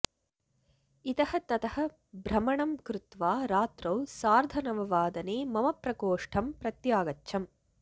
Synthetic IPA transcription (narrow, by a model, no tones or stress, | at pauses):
it̪ɐhɐt̪ɐt̪ɐhɐ̆ | bɾɐmɐɳɐmkɾut̪ʋaːɾaːt̪ɾɐwsaːɾd̪ʱɐnɐʋɐʋaːd̪ɐneːmɐmɐpɾɐkoːʂʈʰɐmpɾɐt̪jaːɡɐtːʃʰɐm